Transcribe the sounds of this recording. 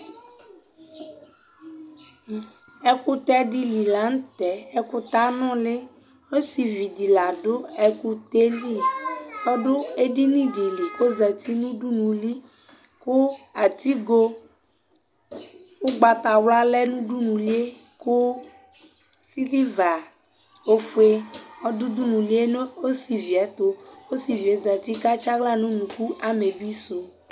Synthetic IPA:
ɛ˦ku˦t̪ɛ˦ɖi˦li˨la˨˦ŋ˦t̪ɛ˨ɛ˦kʊ˦t̪a˦nɔ̃˦lɪ˦ | o˦si˨vi˨di˨la˨ɖʊ˦ɛ˨ku˦t̪e˦li˦pɔ˦ɖʊ˦e˦ɖi˦nĩ˦ɖi˨li˨ko˦zɛ˨t̪i˦nũ˦ɖu˦nũ˨li˦ | kʊ˦a˨t̪i˦ɡo˦ | wo˦ɡ͡ba˨t̪a˨wla˦lɛ˦nũ˦ɖu˦nũ˨li˦e˦ | ko˦ | si˦li˦va˨ | o˦fu˦e˦ɔ˦du˦d̪u˦nũ˨li˦e˦ne˦o˦si˨vi˨ɛ˨˦t̪o˦wo˦si˨vi˨e˨˦zɛ˨t̪i˦ka˦t͡ʃa˦ɡla˦nũ˦nũ˨ku˦ʔa˨me˨bi˦so˨

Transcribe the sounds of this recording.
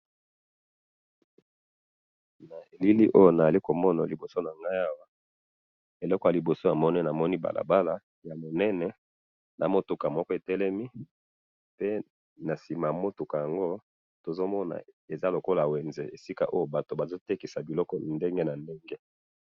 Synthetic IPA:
na˨e˨li˦li˦ʔo˦jo˦na˨a˨li˦ko˨mɔ˦na˨li˨bo˨so˦na˨ŋɡa˦ja˦wa˦ | e˨lɔ˦kɔ˨ja˨li˨bo˨so˦ja˨mɔ˦nɛ˦na˨mɔ˦ni˦ba̰˨lʔa̰˨ba˦la˨ | ja˨mo˨nɛ˦nɛ˨ | nʔa˨mo˦tu˨ka˨mɔ˦kɔ˦˨e˨tɛ˦lɛ˦mi˦ | pe˦ | na˨si˨ma˨mo˦tu˨ka˨ja˨ŋɡo˦ | to˨zo˦mɔ˦na̰˨e˨za˦lo˨ko˦la˨we˨nze˨e˨si˦ka̰˦ʔo˦jo˦ba˨to˨ba˨zo˦te˦ki˨sa˨bi˨lɔ˦kɔ˨nde˦ŋɡe˦na˨nde˦ŋɡe˦

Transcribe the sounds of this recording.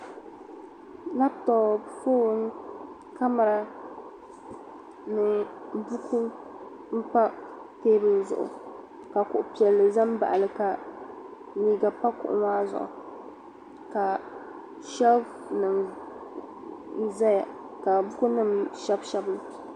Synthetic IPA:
na˦btɔ˨foː˦ŋ˦ | ka˦ma˨ɾa˦ | nɨ˨bu˦kʰu˦ | m̩˦pa˦ | teː˦bɨ˨lzʊ̰˨ʔʊ̰˨ | ka˨kʊ˨ʔʊ˨pi˨ɛ˨lːɨ˨za˦m˦ba̰˨ʔa˨lɨ˨ka˨ | niː˦ɡa˨pa˦kʊ̰˨ʔʊ̰˨maː˦zʊ̰˨ʔʊ̰˨ | ka˨ | ʃɛ˦b | nɨ˨m˦ | za˦ja˨ | ka˨bʊ˦ku˦nɨ˦˨mʃɛ˦bʃɛ˦bɨ˦l

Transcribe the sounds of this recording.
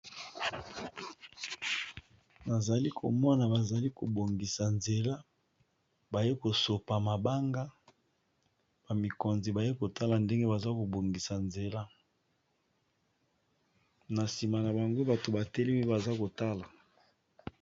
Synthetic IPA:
na˨za˨li˦kʰo̰˨mɔ˦na˨ba˨za˨li˦ko˨bo˨ŋɡi˨sa˨nze˨la˦ | ba˨je˦ko˨so˨pa˨ma˨ba˦ŋɡa˦ | ba˨mi˨ko˨nzi˨ba˨je˦ko˨ta˦la˨nde˦ŋɡe˦ba˨za˦ko˨bo˨ŋɡi˨sa˨nze˨la˦ | na˨si˨ma˨na˨ba˨ŋɡo˦ba˨to˨ba˨te˦le˦mi˦ba˨za˦ko˨ta˦la˨

